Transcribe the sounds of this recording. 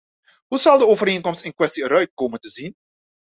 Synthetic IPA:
ɦuzɑlˠdəoːvəɾeːnkɔmstɪnkwɛstiəɾœɥt̚koːməntəzin

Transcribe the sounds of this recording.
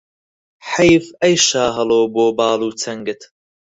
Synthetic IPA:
ħɐjfɐjʃaːɦɐloːboːbɑːluːt͡sʰɐŋɡɨt̪ʰ

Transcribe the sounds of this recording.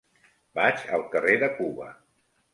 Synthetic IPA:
bat͡ʃəlˠkəreðəkuβə̰

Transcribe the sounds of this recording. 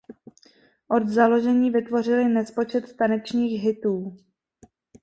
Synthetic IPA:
ʔo̞d̪zalo̞ʒɛɲiːvɪt̪vo̞r̝ɪlɪnɛspo̞t͡ʃɛt̪t̪anɛt͡ʃɲiːxɦɪt̪uː

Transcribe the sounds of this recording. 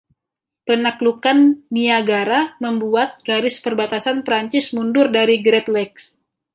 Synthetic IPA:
pənaklukanːiaɡaɾaməmbuat̪̚ɡ̥aɾɪspərbat̪asanpəɾaɲt͡ʃɪsmundʊrdaɾiɡɾɛt̪lɛks

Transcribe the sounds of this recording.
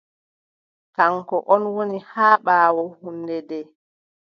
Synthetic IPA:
kaŋkɔʔɔnwonihaːɓaːwɔhunːdɛdɛː

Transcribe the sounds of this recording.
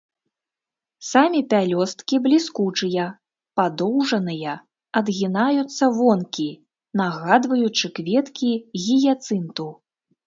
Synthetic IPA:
samʲipʲalʲɔst̪kʲiblʲiskut͡ʂɨjɐ | pad̪ɔwʐɐnɨjɐ | ɐd̪ɣʲinajut̪sːɐvɔnkʲi | naɣad̪vɐjut͡ʂɨkvʲɛt̪kʲiɣʲijat̪sɨnt̪u

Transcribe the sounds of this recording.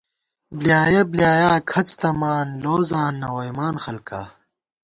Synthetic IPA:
blijaːjɐblijaːjaːkʰɐt͡st̪ɐmaːnloːzaːnːɐwɐjmaːnxɐlka̰ː

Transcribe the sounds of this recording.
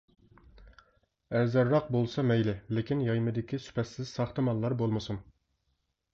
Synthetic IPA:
ɛzɑɾːɑq̚bolˠsɑmɛjlɪlɪkʲinjɑjmɨd̪ɪkʲisy̥pʰɛt̪sɪz̥sɑχt̪ɨmɑlˠːɑɾbolˠmɨsun

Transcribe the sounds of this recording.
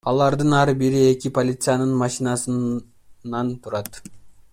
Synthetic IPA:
ɑlˠɑɾd̪ənɑɾbiɾɪe̞kʲɪpʰolʲit̪sɨjɑnəɴmɑʃinɑsənː | ɑnt̪ʰʊɾɑt̪

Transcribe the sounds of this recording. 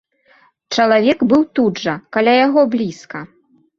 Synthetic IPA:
t͡ʂɐlˠavʲɛɡbɨwt̪udʐɐkalʲajaɣɔblʲiskɐ

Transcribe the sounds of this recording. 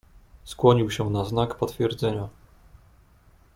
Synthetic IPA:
skwɔɲiwɕɛnaznakpɔt̪fʲjɛɾd̪zɛɲa

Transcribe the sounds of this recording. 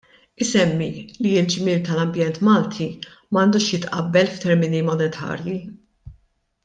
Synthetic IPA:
ɪsɛmːiliɪld͡ʒmiːlt̪ɐlɐmbjɛnt̪mɐːlt̪ʰi | mɐːnd̪uːʃjɪt̪ʔɐbːɛlft̪ɛɾmɪnimɔnɛt̪ʰɐ̰ːɾji

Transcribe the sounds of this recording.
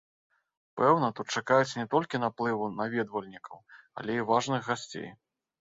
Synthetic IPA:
pɛwnɐt̪ut̪̚t͡ʂakajut͡sʲnʲɛt̪ɔlʲkʲinaplˠɨvunavʲɛd̪vɐlʲnʲikɐwɐ̰lʲɛivaʐnɨxɣasʲt͡sʲḛj

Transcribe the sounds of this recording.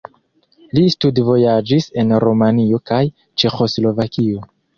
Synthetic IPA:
listudvo̞jad͡ʒise̞nɾomanio̞kaj | t͡ʃe̞xo̞slo̞vakio̞

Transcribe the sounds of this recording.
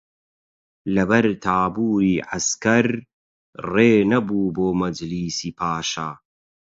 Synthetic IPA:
lɐbɐɾt̪ʰaːbuːɾiːʕaskɐɾ | reːnɐbuːboːmɐd͡ʒliːsiːpʰaːʃa̰ː

